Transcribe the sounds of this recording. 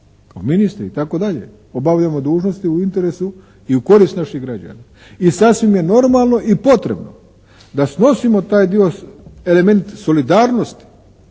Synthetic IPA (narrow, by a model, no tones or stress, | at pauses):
ominist̪ɾiit̪ako̞d̪aʎḛ | obaʋʎamo̞d̪uːʒnost̪iuint̪e̞ɾesu | iuko̞ɾist̪naʃiɣɡɾad͡ʒa̰na | isasʋimje̞no̞ɾmalˠno̞ʔipo̞t̪ɾe̞̰bno̰ | d̪asno̞simo̞t̪aːjd̪ioe̞le̞me̞nt̪so̞lid̪aːɾno̞st̪i̥